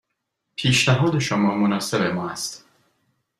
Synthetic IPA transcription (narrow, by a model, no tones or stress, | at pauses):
pʰiːʃnæɦɒːd̪e̞ʃomɒːmonɒːse̞bemɒːæst̪